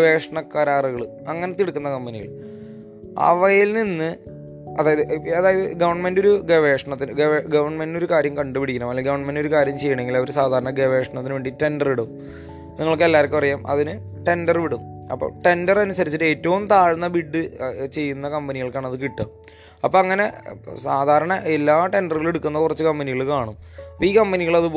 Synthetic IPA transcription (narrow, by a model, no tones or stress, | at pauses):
ʋe̞ːʂɐɳɐkːɐɾaːruɣɐɭ | ɐŋːɐne̞t̪iɽukːunːɐkɐmbɐniɣɐ̰ɭ | ɐ̰ʋɐjelninːɨ | ɐðaːjɐðɨʔɐðaːjɐðɨɡɐʋɐrɳɐme̞ndo̞ɾuɡeʋe̞ːʂɐɳɐt̪ːinɨɡɐʋɐrɳɐme̞ndino̞ɾukaːɾjɐmkɐɳɖɨpiɽikʲːɐnɐːmːɐlːɐɡɐʋɐrɳɐme̞ndo̞ɾukaːɾjɐmt͡ɕe̞jːuɳe̞ŋɡilɐʋoɾusaːd̪ʱaːɾɐɳɐɡeʋeːʂɐɳɐt̪ːinɨʋeːɳɖiʈe̞ndɐrʋiɽum | niŋːɐɭkːɨelːaːɾkːɨpɐrɐjaːmʔɐ̰ðinɨ | ʈe̞ndɐrʋiɽumɐpːo̰ːʈe̞ndɐrɐnusɐɾit͡ɕːiʈːeːtːɐʋumt̪aːɻunːɐbiɖːɨt͡ɕe̞jːunːɐkɐmbɐniɣɐɭkːaːɳɐðɨkiʈːɨ | ɐpːoɐŋːɐne̞saːd̪ʱaːɾɐɳɐʔelːaːʈe̞ndɐrɣɐɭeɽukːunːɐðkurɐt͡ɕːɨkɐmbɐniɣɐɭkaːɳum | ɐpːiːkɐmbɐniɣɐɭɐðɨ